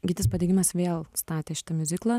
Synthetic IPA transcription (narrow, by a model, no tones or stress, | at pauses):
ɡʲɪt̪ʲɪspɐd̪ʲeːɡʲɪmɐsʋʲeːlˠst̪ɑːt̪ʲeːʃʲɪ̥t̪ɐmʲʊzʲɪklˠɐ